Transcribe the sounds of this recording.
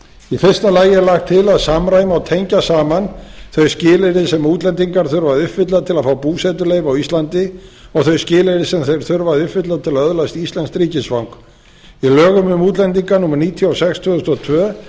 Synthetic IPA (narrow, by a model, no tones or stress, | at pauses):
ifɪrst̪alaːjɪɛɾlaxt̪ʰːɪlaðsamɾaːjmawt̪ʰejɲcasaːmanθœɥscɪːlɪɾɪsɛmuːt̪lɛnt̪iŋkaɾ̥θœɾvaðʏhpfvɪt̪laðt̪ʰɪlaðfawpuːsɛt̪̬ʏleːjvawist̪lant̪ɪɔɣθœɥscɪːlɪɾɪsɛmθejɾ̥θœɾvaðʏpvɪt̪laðt̪ʰɪlaðœðlajst̪ist̪anskt̪ɾiːcɪsvawŋk | ilœːɣʏmʏmuːt̪̬lɛnt̪̬iŋkanumaɾniːt̪ʰjɔawsɛxst̪ʰvœðʏst̪ɔt̪ʰvœː